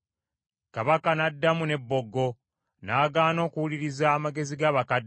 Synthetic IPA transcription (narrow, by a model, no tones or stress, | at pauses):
kaβakanadːamune̞bːo̞ɡːo̞ | naːɡaːno̞ːkuwuliɾizaːmaɡe̞ziɡaːβakad